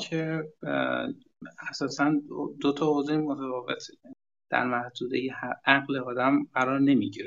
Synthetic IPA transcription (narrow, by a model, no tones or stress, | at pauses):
kʰe | æsɒːsænd̪ot̪ʰɒːozemot̪ʰæfɒːve̞t̪ʰe | d̪̥æ̰ɾmæhd̪uːd̪ejehæɣleɒːd̪æmɢæɾɒːɾne̞miɟiɾe